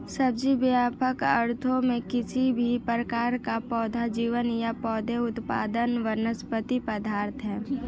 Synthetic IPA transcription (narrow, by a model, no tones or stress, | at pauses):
səbd͡ʒibjaːpʰəkəɾt̪ʰõmẽkɪsibʱipɾəkaːɾkapɔːd̪ʱad͡ʒiːʋənjapɔːd̪ʱeʊt̪pa̰ːd̪ənʋənəspət̪ipəd̪aːɾt̪ɦɛː